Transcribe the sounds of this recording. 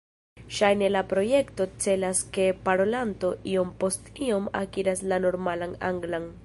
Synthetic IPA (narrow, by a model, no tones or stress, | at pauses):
ʃajne̞lapɾo̞je̞kto̞t͡se̞laske̞paɾo̞lanto̞ʔio̞mpo̞stio̞ma̰kiɾaslano̞ɾmalana̰ŋɡlan